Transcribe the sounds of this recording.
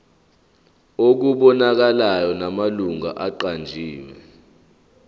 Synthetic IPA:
ok̬uɓɔnak̬alajɔnamaluŋa̰ʔaǃand͡ʒʱiːwɛ̰

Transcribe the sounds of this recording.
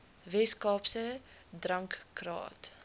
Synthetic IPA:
vɛskɑːpsə | drɐŋkːrɑ̰ːt

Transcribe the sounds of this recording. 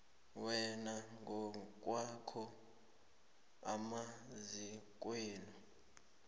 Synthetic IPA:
wɛnaŋʱɔk̬ʼwakʰɔ | a̰mazik̬ʼweːnu

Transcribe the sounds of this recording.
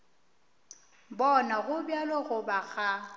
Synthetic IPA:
bɔnaɣʊbjalɔɣʊbaɣa

